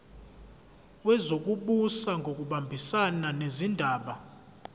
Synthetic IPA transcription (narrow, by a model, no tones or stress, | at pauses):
wɛzok̬ʼuɓusaŋɡʱok̬ʼuɓambʱisananezindʱaːɓa